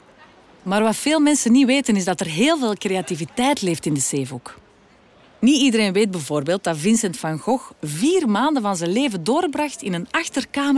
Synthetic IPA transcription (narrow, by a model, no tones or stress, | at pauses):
maːrwɑtfeːlˠmɛnsəniʋeːtənɪzdɑtərɦeːlˠveːlˠkreativitɛjtleːftɪndəseːvuk | niidəɾeːnʋeːd̚bəvoːrbeːlˠt̚dɑtvɪnsɛntfɑŋɣɔxviːrmaːndəvɑnzənleːvədoːrbrɑxtɪnənɑxtərkaːmə